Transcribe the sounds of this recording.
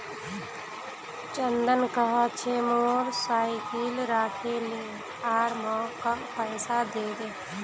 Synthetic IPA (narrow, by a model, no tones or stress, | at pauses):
t͡ʃənd̪ənkəɦat͡ʃʰemoːɾsaːikiːlɾaːkʰele | aːɾmɔ̃ːkapəːsad̪eːd̪eː